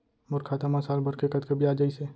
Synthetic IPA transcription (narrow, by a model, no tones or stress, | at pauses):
mʊɾkʰaːt̪amɐsaːlbʱɐɾkekɐt̪kəbʱiaːd͡ʒaise